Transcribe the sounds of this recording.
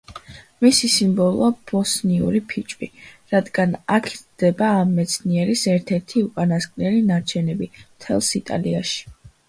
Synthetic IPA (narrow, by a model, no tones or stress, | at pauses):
misisimbɔlˠɔab̥ɔsniṵɾipʰit͡ʃʼbiɾad̪ɡanakʰid̪̥ɛbaːmːɛt̪sʰniɛɾisɛɾt̪ʰɛɾt̪ʰiuqʼanaskʼnɛlinaɾt͡ʃʰɛnɛbimt̪ʰɛlˠsit̪ʼa̰liaʃi̥